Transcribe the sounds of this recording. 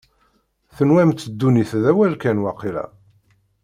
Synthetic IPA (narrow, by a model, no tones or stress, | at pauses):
θənwæmt̪ːəd̪ːuniθðæwælkænwɑqːilæ̰